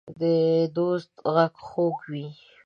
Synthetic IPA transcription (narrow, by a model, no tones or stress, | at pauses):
d̪əd̪ost̪ɣaɡxokwi